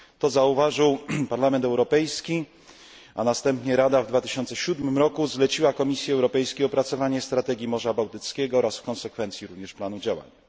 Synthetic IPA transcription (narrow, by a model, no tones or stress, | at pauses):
t̪ɔzauvaʐɘwpaɾlamɛnt̪ɛwɾɔpɛjskʲi | a̰nast̪ɛmpɲɛɾad̪avd̪vat̪ɘɕɔnt̪sɛɕud̪mɘmɾɔkuzlɛt͡ɕiwakɔmʲisʲjɛɛwɾɔpɛjskʲeɔpɾat̪sɔvaɲɛst̪ɾat̪ɛɡʲimɔʐabawt̪ɘt̪skʲɛɡɔɔɾasfkɔnsɛkfɛnt̪sʲjiɾuvɲɛʂplanud͡ʑawa̰ɲ